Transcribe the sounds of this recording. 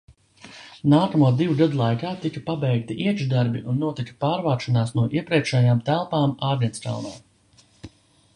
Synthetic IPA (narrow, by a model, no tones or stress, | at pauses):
naːkamuɔd̪ivuɡad̪ulˠajkaːt̪ikɐpabɛjk̚t̪iʔiɛʒd̪aɾbiʔunːuɔt̪ikɐ̥paːɾvaːʃɔnaːsnuɔʔiɛpɾiɛkʃɛjaːmt̪ælˠpaːmaːɾd̪ʲɛnsk̪a̰wna̰ː